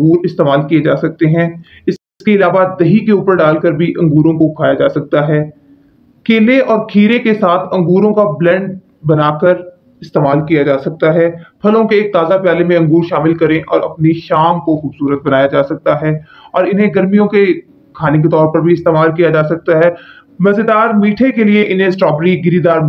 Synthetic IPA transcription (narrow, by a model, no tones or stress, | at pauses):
ɐ̃ŋɡuːɾɪst̪eːmaːlkied͡ʒaːsɐk̚t̪eɦɛ̃ | ɪɪskeɪlaːʋad̪ɐɦikeuːpəɾɖaːlkəɾbʱiʔɐ̃ŋɡuːɾõkokʰaːjad͡ʒaːsɐk̚t̪aɦɛː | keːleɔːɾkʰiːɾekesaːt̪ʰɐ̃ŋɡuːɾõkablɛ̃ːɳɖ | bɐnaːkəɾ | ɪst̪eːmaːlkijad͡ʒaːsɐk̚t̪aɦɛːpʰɐlõkeːk̚t̪aːzapjaːlemẽɐ̃ŋɡuːɾʃaːmɪlkɐɾẽʔɔːɾɐ̰pniʃaːmkoxuːbsuːɾət̪̚bɐnaːjad͡ʒaːsɐk̚t̪aɦɛː | ɔːɾɪnɦẽɡɐɾmijõke | kʰaːnek̬et̪ɔːɾpɐɾbʱiɪst̪eːmaːlkijad͡ʒaːsɐk̚t̪aɦɛː | mɐzed̪aːɾmiːʈʰekelieʔɪnɦẽsʈɔːbɾiɡɪɾid̪aːɾ